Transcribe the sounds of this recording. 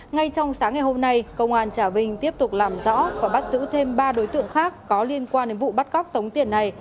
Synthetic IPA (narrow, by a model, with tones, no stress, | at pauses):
ŋa˧jt͡ɕɔ˧wŋ͡msaː˨˦ŋːa˨˩jho˧mna˧jkə˧wŋ͡mʔaː˧nt͡ɕaː˧˩vï˧ŋ̟t̪i˦˥əp̚t̪ʊ˨˩k͡p̚laː˨˩mzɔ̰˧˥vaː˨˩ɓa˦˥t̚zɨ̰˧˥t̪ʰe˧mɓaː˧ɗo˨˦jt̪ɨ̰˧˨əŋxaː˦˥kːɔ˨˦li˧ənkwaː˧nɗe˨˦nvṵ˧˨ɓa˦˥t̚ɣɔ˦˥wk͡p̚t̪ə˨˦wŋ͡mt̪i˧˩ənːa˨˩j